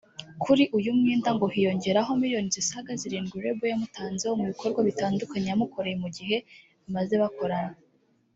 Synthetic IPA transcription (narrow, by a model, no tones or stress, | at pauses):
kʰuɾiʔujumŋiːndaŋɡo̞hijo̞ɲɟe̞ɾaɦo̞miɾijo̞nizisaɡaziɾiːŋɡuɾe̞bujamutaːnzehomuβikʰo̞ɾɡwaβitaːndukaɲejamuko̞ɾe̞jemuɟihe̞ | βimaze̞βako̞ɾana